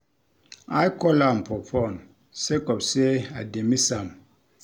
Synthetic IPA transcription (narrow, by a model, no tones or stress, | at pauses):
ajkɔlampʰɔpʰɔn | sekɔpseademisam